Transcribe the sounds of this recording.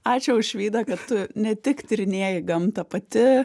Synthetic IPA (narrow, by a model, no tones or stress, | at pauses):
ɑːt͡ʃʲʊʊʃʲʋʲiːd̪ɐkɐttʊnʲɛt̪ʲɪkt̪ʲɪɾʲɪnʲiɛjɪɡɐmt̪ɐpɐt̪ʲɪ